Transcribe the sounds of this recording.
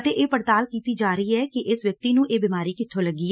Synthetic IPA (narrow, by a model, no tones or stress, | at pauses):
t̪eːʔeːpəɽt̪aːlkiːt̪iːd͡ʒaːɾəiːɛːkɪʔɪsʋjək̚t̪iːnũːʔeːbɪːmaːɾiːkɪt̪ʰːoːləɡːiː